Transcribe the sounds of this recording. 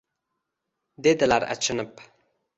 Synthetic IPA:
d̪ed̪əlaɾa̰t͡ʃənəp

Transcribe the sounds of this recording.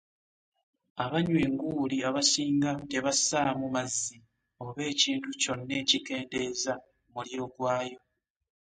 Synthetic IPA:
aβaɲweːŋɡuːliaβasiːŋɡate̞βasaːmumazːi | o̞βe̞ːciːntuco̞nːe̞ːcike̞ːnde̞ːza | muliɾo̞ɡwaːjo̞

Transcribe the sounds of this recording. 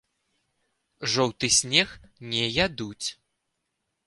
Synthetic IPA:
ʐɔwt̪ɨsʲnʲɛxnʲɛjad̪ut͡sʲ

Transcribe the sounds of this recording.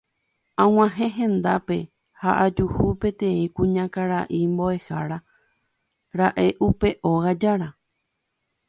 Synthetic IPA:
ãw̃ãɦẽ̞ɦẽ̞nd̪ape̞ | haʔad͡ʒuhupe̞t̪ẽ̞ĩkũɲãkaɾaʔimbo̞e̞haɾa | ɾaʔe̞ʔupe̞ʔo̞ɣad͡ʒaɾa

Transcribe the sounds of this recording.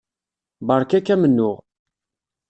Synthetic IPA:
bəɾˤkækːæmənːʊʁ

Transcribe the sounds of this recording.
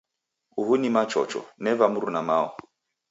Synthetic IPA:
uɦunimat͡ʃɔ̰t͡ʃɔ̰nɛvamuɾunamaɔ

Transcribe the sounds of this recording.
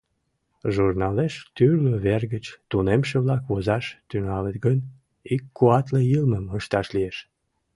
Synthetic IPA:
ʒurnɑleʃt̪yrløβerɣət͡ɕt̪unemʃeβlɑkβozɑʃt̪yŋɑlet̪ɡən | ikːuɑt̪lejilməməʃt̪ɑʃlieʃ

